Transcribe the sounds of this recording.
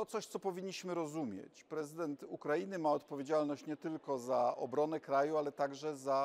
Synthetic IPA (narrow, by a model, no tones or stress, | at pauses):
t̪ɔt̪sɔɕt̪sɔpɔvʲiɲːiɕmɘɾɔzumʲjɛ̰t͡ɕpɾɛzɘd̪ɛnt̪ukɾajinɘmaɔt̪pɔvʲed͡ʑalnɔɕt͡ɕɲɛt̪ɘlkɔzaɔ̰bɾɔnɛkɾajualɛt̪aɡʐɛza